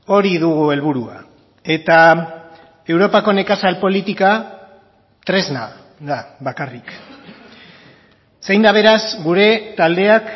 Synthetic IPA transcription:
o̞ɾiðuɣue̞lβuɾua̰ | e̞t̪a | e̞wɾo̞pako̞ne̞kasalpo̞lit̪ika | t̪ɾe̞zna | ðaβakarik | sejnd̪aβ̞e̞ɾasɡuɾe̞t̪ald̪e̞ak

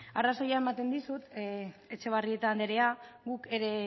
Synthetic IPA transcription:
araso̞jae̞mat̪e̞nd̪isut̪e̞t͡ʃe̞β̞arie̞t̪and̪eɾe̞aɣuke̞ɾe̞

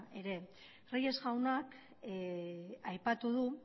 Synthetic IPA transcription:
e̞ɾe̞ | rije̞zɣawnak | ajpat̪uðu

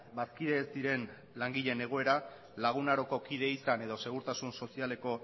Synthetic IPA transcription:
bat̪kiðe̞ːzd̪iɾe̞n | laŋɡiʎe̞ne̞ɣ̞o̞e̞ɾa | laɣ̞unaɾo̞ko̞kið̞e̞isane̞ð̞o̞se̞ɣ̞uɾt̪asunso̞siale̞ko̞

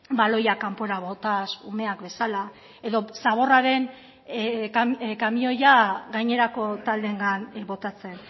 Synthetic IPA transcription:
balo̞jakampoeɾaβo̞t̪asume̞akbe̞sala | e̞ðo̞saβ̞o̞raɾe̞n | kakamio̞jaɡajɲe̞ɾako̞t̪ald̪e̞ŋɡanbo̞t̪at͡se̞n

